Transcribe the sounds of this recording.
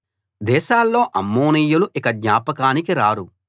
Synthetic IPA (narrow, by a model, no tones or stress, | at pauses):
d̪ɛːʃaːlːo̞ːʔɐmːoːnijːuluʔikɐdɲaːpɐkaːnikiɾaːɾu